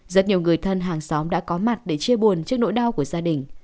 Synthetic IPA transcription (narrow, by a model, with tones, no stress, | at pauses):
zə˦˥t̚ɲi˨˩əwŋɨ˨˩əjt̪ʰə˧nɦaː˨˩ŋsa˨˦wŋ͡mɗa̰ː˧˥kɔ˨˦ma˨˩t̚ɗe˧˩t͡ɕi˧əɓu˨˩ənt͡ɕi˦˥ək̚no̰˧˥jɗa˧wku˧˩əzaː˧ɗï˨˩ŋ̟